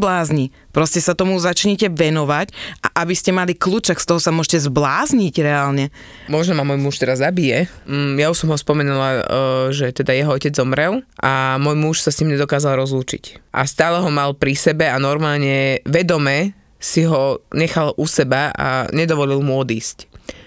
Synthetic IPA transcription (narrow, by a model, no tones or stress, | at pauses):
blaːzɲi | pɾɔscɛsat̪ɔmuzat͡ʃɲɛcɛʋɛnɔʋacʔa̰ʔabiscɛmalikluːt͡ʃakst̪ɔɦɔsamʊɔʒcɛzblaːzɲicɾɛaːlɲɛ | mɔʒnɔmamɔjmuʃt̪ɛɾazːabijɛ | jauʃsɔmɦɔspɔmɛnulaʒɛt̪ɛd̪ajɛɦɔɔcɛd͡zzɔmɾɛlʔamɔjmuʃsasɲiːmɲɛd̪ɔkaːzalɾɔzluːt͡ʃḭcʔa̰st̪aːlɛɦɔmalpɾisɛbɛanɔɾmaːlɲɛʋɛd̪ɔmɛ | siɦɔɲɛxalʔusɛbaa̰ɲɛd̪ɔʋɔlilmuɔd̪iːsc